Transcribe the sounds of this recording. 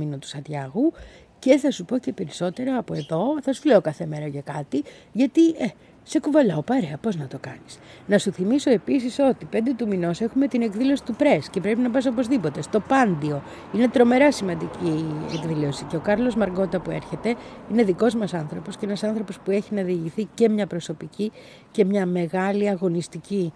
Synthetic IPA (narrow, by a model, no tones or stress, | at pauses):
inot̪u̥sɐt̪ʝɐɣu | ce̞θɐsupo̞ce̞pe̞ɾiso̞t̪e̞ɾɐːpo̞e̞ðo̞θɐsu̥zle̞o̞kɐθe̞me̞ɾɐcɐkɐt̪iʝɐt̪ie | se̞kuvɐlaopɐɾe̞ɐpo̞znɐt̪o̞kɐnisnɐsuθimiso̞e̞pisiso̞t̪ipe̞nd̪e̞t̪umino̞se̞xume̞t̪ine̞kðilo̞si̥t̪upɾe̞sce̞pɾe̞pinɐpɐs̬o̞po̞zðipo̞t̪e̞st̪o̞pɐnd̪io̞ | ine̞t̪ɾo̞me̞ɾɐsimɐnd̪iciḛkðilo̞siceo̞kɐɾlo̞zmɐɾɡo̞t̪ɐpue̞ɾçe̞t̪e̞ine̞ðiko̞zmɐsɐnθɾo̞po̞sceenɐsɐnθɾo̞po̞spue̞çinɐðiːʝiθice̞mɲɐpɾo̞so̞pici | ce̞mɲɐme̞ɣɐliɐɣo̞nist̪ici